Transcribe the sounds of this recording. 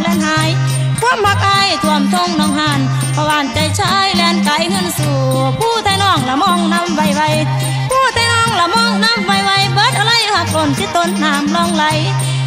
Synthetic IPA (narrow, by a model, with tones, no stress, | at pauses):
lɛː˧nhaː˧˦j | kʰu˧˥˨əmha˧k̚ʔa˧˥jt̪ʰu˧˨əmt̪ʰo˧˩ŋnɔː˧˩˨ŋhaː˧˩n | pʰɔ˧waː˧˩˨nt͡ɕa˧˩˨jt͡ɕʰaː˧˥˨jlɛː˧˩nkaː˨˧˦jŋɤ˧˥˨nsuː˧˩ | pʰuː˧˩t̪ʰaː˧˩jnɔː˧˩˨ŋlaː˧˩mɔː˧˩˨ŋna˧˥˨mva˧˩jwa˧j | pʰuː˧˩t̪ʰaː˧˩jnɔː˧˥˨ŋla˧mɔː˧˥˨ŋna˧˥˨mva˧˩jwa˧˩jbɤː˨˦˥t̪̚ʔa˧la˧˥˨jha˧˩k̚ːo˨˧nsiː˧˦t̪o˧˦nːaː˨˦mlɔː˧˩˨ŋla˧˦j